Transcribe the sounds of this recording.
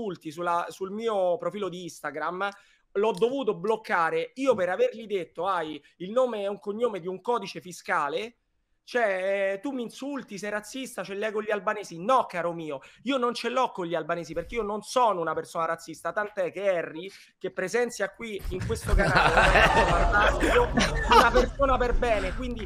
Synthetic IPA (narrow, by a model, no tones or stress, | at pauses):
ult̪isulːasulmiːopɾofiːlod̪iist̪aɡɾam | lɔd̪ːovuːt̪̬oblokːaːɾeiːopeɾaverʎid̪et̪ːoaj | ilnoːmeɛuŋkoɲːoːmed̪iuŋkɔːd̪it͡ʃefiskaːle | t͡ʃoɛt̪umːinsult̪is̬ɛjrat̪sːist̪at͡ʃelːɛːɡoʎːialbanɛːsinɔkːaːɾomiːoiːonont͡ʃelɔkːoʎːialbanɛːsiperk̟eiːononsɔːnounapersoːnaɾat̪sːist̪at̪ant̪oɛkːeɛrːi | kepːɾezɛnt̪sjakːwiiŋkwest̪okanaaːlet̪omant̪aiounapersoːnaperbɛːnekwind̪i